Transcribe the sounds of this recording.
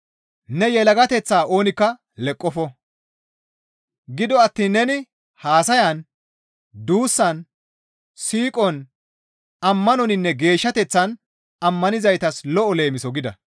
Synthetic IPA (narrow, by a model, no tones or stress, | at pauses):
nɛjɛlɐɡɐt̪ɛt͡sːaːʔo̞ːnɪkːɐ | lɛkʼːɔfɔ | ɡɪd̪ɔɐt̪ːiːnːɛnɪ | haːsɐjɐn | d̪uːsːɐn | siːkʼɔn | ɐmːɐnɔnɪnːɛɡe̞ːʃːɐt̪ɛt͡sːɐn | ɐmːɐnɪzɐjt̪ɐslɔʔɔle̞ːmɪsɔɡɪd̪ɐ̰